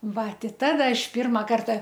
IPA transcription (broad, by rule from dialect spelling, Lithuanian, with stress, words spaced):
ˈʋɐ ˈtʲɪ ˈtɑːdɐ ˈɐʃ ˈpʲɪrmɐ ˈkɐrtɐ